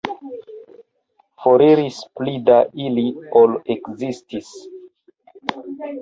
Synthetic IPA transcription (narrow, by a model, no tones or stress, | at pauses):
foɾiɾisplidaʔiliolekzistis